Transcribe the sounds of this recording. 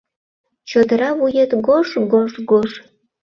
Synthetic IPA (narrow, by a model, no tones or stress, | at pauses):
t͡ɕod̪əɾɑβujet̪ɡoʃɡoʃɡoʃ